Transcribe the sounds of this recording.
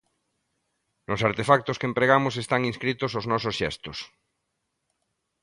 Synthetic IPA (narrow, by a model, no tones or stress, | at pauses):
nosaɾt̪efak̚t̪oskempɾeɣ̞amos̬est̪aŋinskɾit̪osoznɔsosʃḛst̪os